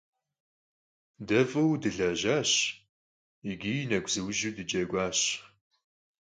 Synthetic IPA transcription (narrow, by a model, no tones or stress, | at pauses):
dɐfʼɨwdɨɮɐʑaːɕ | iɡʲijnɐɡʷʰʼz̥ɨwʒudɨd͡ʒʼɐɡʷaːɕ